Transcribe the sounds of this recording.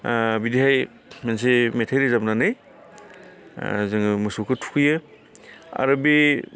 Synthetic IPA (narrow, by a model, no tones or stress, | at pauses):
bidiɦaj | mens̬emetʰajɾɯzabnanaj | zɯŋɯmɯsokʰɯtʰu̥kʰɯjɯ | a̰ɾɯbi